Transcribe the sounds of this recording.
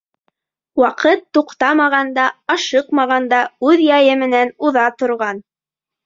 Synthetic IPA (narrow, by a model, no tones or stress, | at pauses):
wɑqɤt̪ːuqt̪ɑmɑʁɑnd̪ɑɑʃɤqmɑʁɑnd̪ɑʉðjɑjɘmɘ̆nænuðɑt̪ŏɾʁɑn